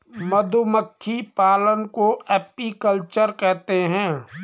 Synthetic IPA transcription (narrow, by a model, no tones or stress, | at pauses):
mɐd̪ʱuməkʰːipaːlənkoʔɛːpikəlt͡ʃəɾkɛɦt̪eɦɛ̃ː